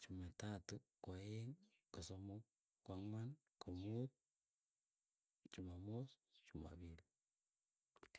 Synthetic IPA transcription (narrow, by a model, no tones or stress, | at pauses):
t͡ʃumatatukoeŋ | kosomo | kwaŋman | komut̪̚ | t͡ʃumamos | t͡ʃuma̰βil